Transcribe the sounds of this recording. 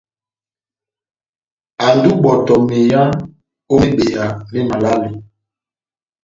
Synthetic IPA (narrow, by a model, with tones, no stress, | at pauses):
a˨ndu˦ɓɔ˨tɔ˨me˨ja˦ŋ | o˦mi˦be˨ja˨le˦ma˨la˦li˨